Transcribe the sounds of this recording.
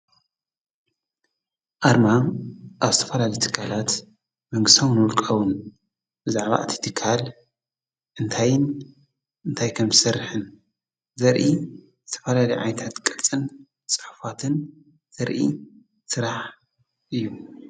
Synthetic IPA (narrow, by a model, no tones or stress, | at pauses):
ʔaɾmaʔaβzɨt̪ʰɐ̥fɐlalɐjt̪ʰɨ̥kʰːalat̪ | mɐŋɡɨst̪ʰawɨnwʊlkʼɐwʊn | bɨzaʕβa̰ʔt̪ʰi̥t̪ʰɨkʰːal | ʔɨnt̪ʰajn | ɨnt̪ʰajkʰɐmzɨsɐɾːħɨn | zɐɾʔi | zɨt̪ʰɐ̥fɐlalɐjʕa̰jnt̪ʰat̪kʼɐt͡sʼɨn | t͡sʼɨħfat̪ʰɨn | z̥ɐɾʔḭ | sɨɾaħ | ʔɨjːu